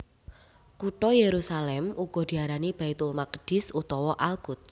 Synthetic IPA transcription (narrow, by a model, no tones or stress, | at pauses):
kuʈɔjeɾusalɛmuɡ̥ɔ̤d̪̥i̤aɾanib̥ait̪ulmakd̥ɪsut̪ɔwɔʔalɡ̥ʊt̪̚